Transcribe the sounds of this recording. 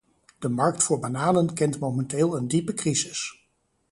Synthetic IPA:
d̥əmɑɹk̚tfʊːɹbanaːlənkɛntmowmɛnteːlˠəndipəkrizɪs

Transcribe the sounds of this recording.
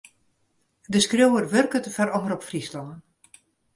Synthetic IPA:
dəskrowərʋørkətfaɾɔnəɾɔpfrislɔŋən

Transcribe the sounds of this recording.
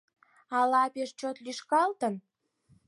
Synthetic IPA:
ɑlɑpeʃt͡ɕot̪lyʃkɑlt̪ən

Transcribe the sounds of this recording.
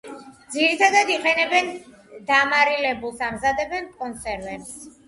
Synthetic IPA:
d̪ziɾit̪ʰad̪ad̪iqʼɛnɛbɛn | d̪amaɾilɛbulˠsamzad̪ɛbɛnkʼɔnsɛɾvɛms

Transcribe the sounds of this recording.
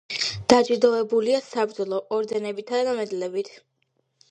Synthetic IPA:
d̪̥ad͡ʒid̪ɔɛbuliasapɾd̪zɔlˠɔʔɔɾd̪ɛnɛbit̪ʰad̪d̪amɛd̪lɛbit̪ʰ

